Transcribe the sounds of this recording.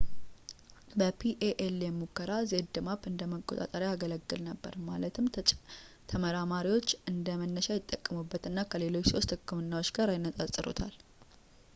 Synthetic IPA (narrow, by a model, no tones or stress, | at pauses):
bəpʰiʔeʔeljɛmukːəɾazed̪ɨmapɨnd̪əməkʼːot̪ʼa̰t̪ʼəɾjaɡələɡːɨlnəbːə̰ɾmalət̪ʰɨm | t̪ʰəməɾamaɾiwo̞t͡ʃːɨnd̪əmənːəʃajɪt̪ʼːəkʼːəmubːət̪ɨnːakʰəle̞lo̞t͡ʃːso̞st̪ʰɨkːɨmɨnːawot͡ʃɡaɾajɪnːət̪ʼasʼːɨɾo̰t̪ʰal